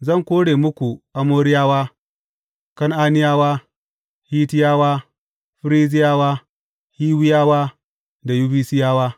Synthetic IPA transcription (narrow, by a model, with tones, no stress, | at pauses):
zɐ˦˨ŋkʷoː˦ɽeː˨mʊ˦kʷu˨ʔa˦moː˦ɽɪ˦jaː˦waː˦ | kɐ˦ŋʔaː˦nɪ˦jaː˦waː˦ | hiː˦tɪ˦jaː˦waː˦ | ɸɪ˦ɾiː˦zɪ˦jaː˦waː˦ | hiː˦wɪ˦jaː˦waː˦ | da˨ju˦biː˦sɪ˦jaː˦waː˦